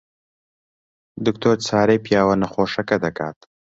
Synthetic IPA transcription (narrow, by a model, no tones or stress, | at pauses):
d̪ʊk̚t̪oɾt͡sʰaːɾepjɑːwɐnɐxoːʂɐkɐd̪ɐka̰ːt̪